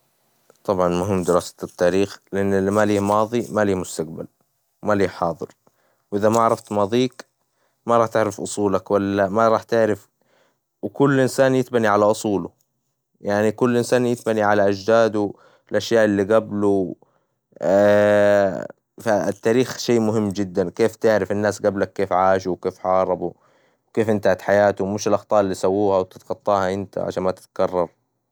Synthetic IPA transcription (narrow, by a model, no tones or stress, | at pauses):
t̪ˤɑbʕɑnmʊɦɪmːd̪ɪɾˤɑːsḁt̪ːaːɾiːxlɪʔɪnːɪlːimaliːmɑːðˤimaliːmʊst̪aqba̰l | wmaliːħɑːðˤɨ̰ɾ | wʔɪðamaʔʕɑɾˤɑft̪mɑːðˤiːk | maɾˤɑːħt̪ɪʕɾɪfʔʊsˤuːlakwalːamaɾˤɑːħt̪ɪʕɾɪf | wkʊlːʔɪnsaːnjɪt̪̚baniʕalaʔʊsˤuːlʊ | jaʕnikʊlːʔɪnsaːnjɪt̪baniʕalaʔad͡ʒd̪aːd̪ʊ | ɪlʔaʃjaːʔɪlːiːɡabluw | faɪt̪ːaːɾiːxʃeːmʊɦɪmːd͡ʒɪd̪ːankeːft̪ɪʕɾɪfɪnːaːsɡablakːeːfʕaːʃuwkeːfħɑːɾˤɑbu | wkeːfʔɪnt̪ahat̪ħajaːt̪ʊmɪʃɪlʔɑxt̪ˤɑːʔɪlːiːsawːuːhawt̪ɪt̪ɣɑt̪ˤːɑːhaʔɪnt̪a̰ʕa̰ʃaːnmat̪ɪ̥t̪kɑrˤːɑɾˤ